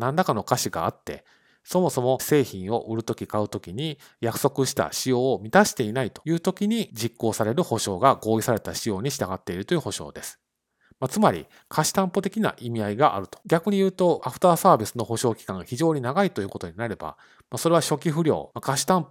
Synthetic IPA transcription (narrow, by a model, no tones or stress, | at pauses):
nãnd̪akano̞kaɕiɡa̰ːt̪ːe̞̰ | so̞mo̞so̞mo̞se̞ːçĩɰ̃o̞ʔɯ̟ɾɯ̟t̪o̞kʲikaɯ̟t̪o̞kʲiɲ̟i | jakɯ̟̥so̞kɯ̟ɕi̥t̪a̰ɕijo̞ːmʲit̪aɕi̥t̪e̞inait̪o̞̥jɯ̟ːt̪o̞kʲiɲ̟id͡ʑikːo̞ːsaɾe̞ɾɯ̟ho̞ɕo̞ːɡaɡo̞ːisaɾe̞t̪aɕijo̞ːɲ̟iɕi̥t̪aɡat̪ːe̞iɾɯ̟t̪o̞jiɯ̟ho̞ɕo̞̰ːd̪e̞sɨ̥ | mat͡sɨmaɾʲḭ | kʰaɕi̥t̪ãmpo̞t̪e̞kʲina̰ʔimʲiaiɡaʔa̰ɾɯ̟t̪o̥ɡʲakɯ̟ɲ̟ijɯ̟ːt̪o̞aɸɯ̥t̪aːsaːbʲisɨno̞ɦo̞ɕo̞ːkʲi̥kãŋɡaçiʑo̞ːɲ̟inaɡait̪o̞jɯ̟ːko̞t̪o̞ɲ̟inaɾe̞ba̰ | maso̞ɾe̞βaɕo̞kʲiɸɯ̟ɾʲo̞̰ːmakaɕi̥t̪ãmpo